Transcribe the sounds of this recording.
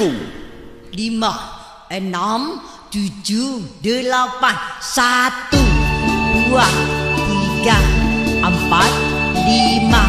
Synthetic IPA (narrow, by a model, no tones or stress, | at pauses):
u | lima | ənɔm | t̪ud͡ʒudəlapansat̪ubuat̪iɡaʔəmpat̪̚lima